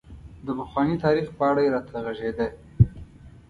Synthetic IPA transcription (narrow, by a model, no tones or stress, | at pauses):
d̪əpəxwɑnit̪ɑɾixpəaɽajeɾɑt̪ʰaɣaʒed̪a